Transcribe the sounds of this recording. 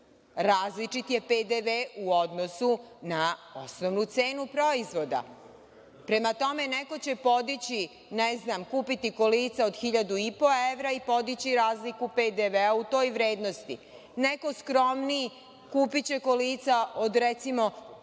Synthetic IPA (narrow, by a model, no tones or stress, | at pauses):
ɾaːzlit͡ʂit̪je̞ped̪eʋeuo̞d̪nosunaosnoʋnut̪se̞ːnupɾo̞izʋo̞d̪a̰ | pɾe̞mat̪o̞me̞neko̞t͡ɕe̞po̞d̪it͡ɕi | nɛznamkuːpit̪iko̞liːt̪sao̞d̪xiʎad̪uipo̞eʋɾaipo̞d̪it͡ɕiɾaːzlikuped̪eʋeaut̪o̞ːjʋɾe̞ːd̪no̞st̪ḭ | neko̞skɾo̞mni | kuːpit͡ɕe̞koliːt̪saod̪ɾet̪simo̞